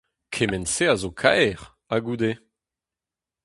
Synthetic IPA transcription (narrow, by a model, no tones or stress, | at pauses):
kʰemɛnseazokʰa̰jʁ | aɡud̪e